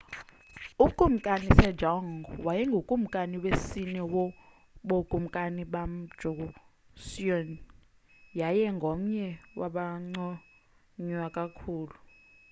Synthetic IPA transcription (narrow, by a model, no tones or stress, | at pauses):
ukʼum̩kʼanisɛ̥d͡ʒʱɔŋɔwajɛŋɡʱokʼum̩kʼaniwesinɛwɔ | ɓokʼum̩kʼaniɓam̩d̥ʒ̥ʱuk̬u | siɔn | jajɛŋɡʱom̩ɲɛwa̰ɓaŋ͡ǀɔ | ɲwakʼakʰuːlu